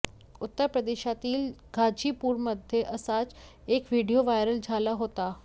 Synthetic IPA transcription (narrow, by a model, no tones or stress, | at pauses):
ut̪ːəɾpɾəd̪eɕat̪iːlɡʱad͡ʑipuːɾməd̪ʱjeʔəsat͡s | ekʋiɽijoʋajɾəld͡zʱalaɦot̪a